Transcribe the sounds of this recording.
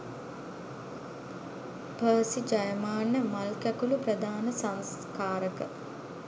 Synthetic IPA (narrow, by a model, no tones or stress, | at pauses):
pəːsid͡ʒajəmaːnːəmalkjækuluprəd̪aːnəsaŋs | kaːɾəkə